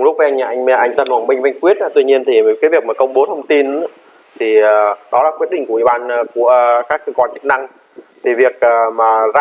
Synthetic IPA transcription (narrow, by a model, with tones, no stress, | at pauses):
ŋ͡mlʊ˦˥k͡p̚va˧ʔa˧ŋɲa̰ː˧˩ʔa˧jŋmɛ˧˩ʔa˧jŋ̟t̪ə˧nhwaː˧˩nmï˧˩ŋ̟vjŋ̟kwi˦˥ət̚ʔa˨˧˦t̪wi˧ɲi˧ənt̪ʰi˨˩˨kaː˨˦vi˨˩ək̚maː˨˩kə˧wŋ͡mɓo˨˦t̪ʰə˧wŋ͡mt̪i˧n˧˦ | t̪ʰi˨˩ə˨˩ɗɔ˨˦laː˨˩kwi˦˥t̚ɗï˧˩ŋ̟ki˧˩ɓaː˧˨nː˧˩ku˧˩əkaː˦˥kːəː˧kwa˧˩t͡ɕɨ˦˥k̚na˧ŋ | t̪ʰi˨˩vi˨˩ək̚ʔːmaː˨˩za˧